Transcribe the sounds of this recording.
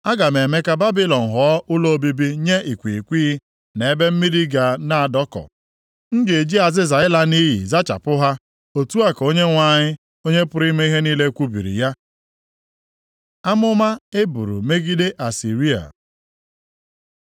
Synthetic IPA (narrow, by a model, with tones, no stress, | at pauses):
a˦ɡa˨me˨me˦ka˦ba˦bi˦lɔ˨n̩˨ɦɔ˨˦ʊ˦lo˦o˦bi˦bi˦ɲe˦i˨kʷi˨kʷiː˦ | ne˨e˦be˦m̩˦mi˦di˦ɡa˨na˨a˨dɔ˦kɔ̰˨ | n̩˦dɪ˨e˨d͡ʒi˦a˨zɪ˦za˨ɪ˦la˦ni˦jḭ˨za˦t͡ʃa̰˨pʊ˦ɦa˦ | o˨tu˦a˦ko˦ɲe˦ŋʷa˦˨ɲɪ˦ | o˦ɲe˦pʊ˦ɾi˦me˦i˦ɦe˦niː˦le˦kʷu˦bḭ˨ɾḭ˨ja˦ | a˦mʊ˦ma˦e˦bu˨ɾṵ˨me˦ɡi˦de˦ʔa˨si˨ɾi˦a̰˨